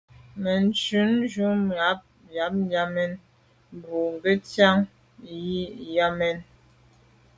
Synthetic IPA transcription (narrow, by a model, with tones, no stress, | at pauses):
mɛ˨n˨t͡ʃʉ˨˦nd͡ʒu˦a˨˦p̚ | ja˨˦p̚n˦ja˦mɛ˦n | m˨bu˨ŋ˨ɡe˦tja˦ŋ | ji˦ja˦mɛ˦n